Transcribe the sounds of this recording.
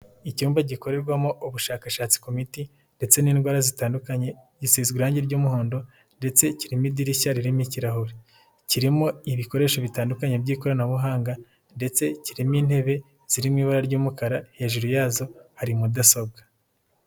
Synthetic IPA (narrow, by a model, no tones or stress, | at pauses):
icuːmbaɟiko̞ɾe̞ɾɡwamoʔuβuʃaːkaʃaːt͡si̥kumiti | nde̞t͡se̞niːnɡwaːɾazitaːndukaɲe̞ɟisiːzɡiɾaːɲɟeɾɟuːmuhoːndo̞ | nde̞t͡se̞ciɾimidiɾiçaɾiɾimiciɾaɦuɾi | ciɾimo̞iβiko̞ɾe̞ːʃo̞βitaːndukaɲe̞bɟiːko̞ɾanaβuɦaːŋɡa | nde̞t͡se̞ciɾimiːn̥he̞βe̞ | z̥iɾimŋiːβaɾaɾɟuːmukaɾahe̞ʒuɾujaːzo̞haɾimudasobɡa